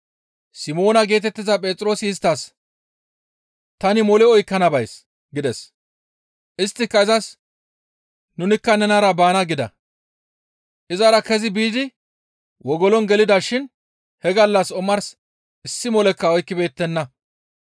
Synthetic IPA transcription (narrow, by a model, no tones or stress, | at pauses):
sɪmo̞ːnɐɡe̞ːt̪ɛt̪ːɪzɐpʼeːt͡s̪ʼɾo̞ːsɪɪst̪ːɐs | t̪ɐnɪmɔlɛɔjkːɐnɐbɐjs | ɡɪd̪ɛs | ʔɪst̪ːɪkːɐɪzɐs | nʊnɪkːɐnɛnɐɾɐbaːnɐɡɪd̪ɐ̰ | ʔɪzɐɾɐkɛzɪbiːd̪ɪ | wɔɡɔlɔnɡɛlɪd̪ɐʃɪn | hɛɡɐlːɐsɔmɐɾs | ʔɪsːɪmɔlɛkːɐɔjkːɪbe̞ːt̪ːɛnːɐ